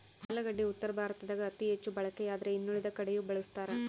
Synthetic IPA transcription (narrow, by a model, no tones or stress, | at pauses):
hɐlːɐɡɐɖːiut̪ːɐɾɐbʱaːɾɐt̪ɐd̪ɐɡɐɐt̪iɦet͡ʃːubɐɭɐkːeaːd̪ɐɾeinːuɭid̪ɐkɐɽejubɐɭust̪aːɾe